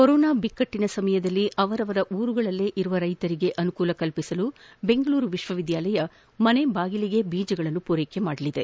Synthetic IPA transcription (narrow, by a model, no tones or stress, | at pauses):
koɾɔːnaːbikːɐʈːinɐsɐmɐjɐd̪ɐlːiʔɐʋɐɾɐʋɐɾɐʔuːɾuɡɐɭɐlːe̞ːʔiɾuʋɐɾɐjt̪ɐɾiɡe̞ʔɐnukuːlɐkɐlpisɐlu | be̞ŋɡɐɭuːɾuʋiʃʋɐʋid̪jaːlɐjɐ | mɐnebaːɡiliɡe̞biːd͡ʒɐɡɐɭɐnːupuɾeːkemaːɽɐlid̪e̞